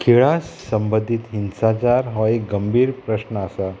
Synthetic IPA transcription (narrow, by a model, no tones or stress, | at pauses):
kʰeɭasːəmbəd̪ʱit̪ɦinsat͡ɕaɾɦɔekɡəmbʱiːɾpɾəɕnəəsa